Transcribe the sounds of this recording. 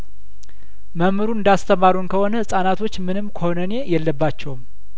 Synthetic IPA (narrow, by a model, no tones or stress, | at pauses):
məmɨɾuɨnd̪ast̪ʰəmaɾunkʰəho̞nəsʼanat̪ʰo̞t͡ʃːmɨnɨmːkʰəhonəne̞jɛlːəbːat͡ʃːɛwm